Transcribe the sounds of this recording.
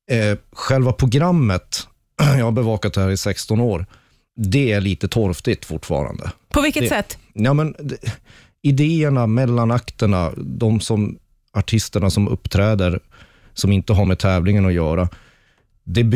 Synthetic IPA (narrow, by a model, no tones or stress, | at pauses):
ɧɛlvapʰɾʊɡɾamːət̪ | jɑːhaɾbɛvɑːkat̪̚ɛhæːɾɪsɛkst̪ɔnoːɾ | d̪ɛæɭiːt̪ət̪ʰɔɾft̪ɪt̪fʊʈːfɑ̰ːɾa̰nd̪ə̰pʰɔvɪlkːəsɛt̪ːjaːmɛn | ɪd̪eːəɳamɛlːanakt̪əɳad̪ɔmsɔm | aʈʰɪst̪əɳasɔmɵ̰pːt̪ʰɾɛːd̪əɾ | sɔmɪnt̪əɦaɾmɛt̪ʰɛːvlɪŋənɔjœːɾa | d̪ɛb